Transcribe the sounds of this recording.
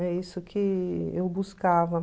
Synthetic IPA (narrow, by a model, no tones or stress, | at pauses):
ɛisʊkʰɪewbuskavɐ